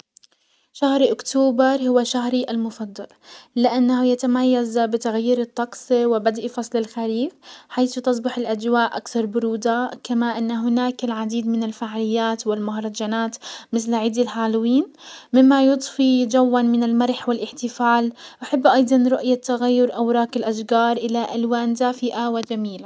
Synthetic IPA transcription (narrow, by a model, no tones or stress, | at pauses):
ʃahɾʔʊkt̪oːbɑɾˤhʊwaʃaɦɾiʔalmʊfɑd̪ˤːɑllɪʔanːahjat̪amajːazbɪt̪aɣajːiːɾɨt̪ˤːɑqsˤiwɪbad̪ʔifɑsˤlɪlxaɾiːfħajθʊt̪ɑsˤbɑħɪlʔad͡ʒwaːʔʔakθɑɾˤbʊɾuːd̪akamaʔɪnːaɦʊnaːkɪlʕad̪iːd̪mɪnɪlfaʕalɪjːaːt̪wɪlmʊhɾˤɑd͡ʒanaːt̪mɪθlʕɪd̪ɪlħaːlwiːn | mɪmːajʊt̪ˤfid͡ʒawːanmɪnɪlmɑɾˤħwɪlʔɪħt̪ɪfaːlʔaħɪbːʔɑjd̪ˤɑnɾʊʔjat̪ːaɣajːʊɾʔawɾˤɑːkɪlʔaʃɡɑːɾˤʔɪlaʔalwaːnd̪aːfɪʔawɪd͡ʒamiːla